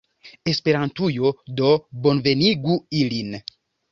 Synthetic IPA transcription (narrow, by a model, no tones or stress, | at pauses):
e̞spe̞ɾantujo̞do̞bo̞nve̞niɡuilin